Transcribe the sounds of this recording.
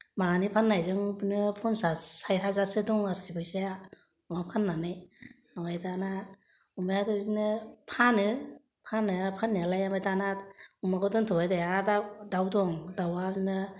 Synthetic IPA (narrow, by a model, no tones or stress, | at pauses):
maɡanipʰanːajzɯŋbɯnɯpʰɔnsasajɾɦazaɾsedɔŋaɾsibɯjsaja | umapʰanːanɯj | amajdana | umajadɔinɯpʰanɯ | pʰanɯpʰanːialajamajdanaumaɡɔdɯŋtʰɔbajdajadadawdɔŋdawainɯ